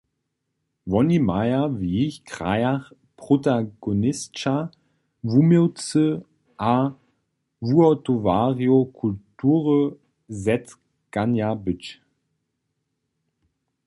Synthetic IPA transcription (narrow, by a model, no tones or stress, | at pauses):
vɔnimajɐviːçkʁ̥a̰jaχ | pʁ̥otaɡonɪst͡ʃa | vumeʊt͡sə | ʔa | vuɔtovaːʁjokʰultuːʁə | zɛt | ɡ̥anjabʏt͡ʃ